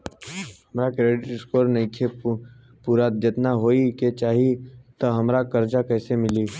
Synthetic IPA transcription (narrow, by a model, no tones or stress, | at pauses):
ɦɐmɾakɾeːɖɪʈɪskoːɾnɐĩkʰe | puːɾad͡ʒɪt̪naɦoːiket͡ʃaːɦit̪ɐɦɐmɾakɐɾd͡ʒakɛːsemɪli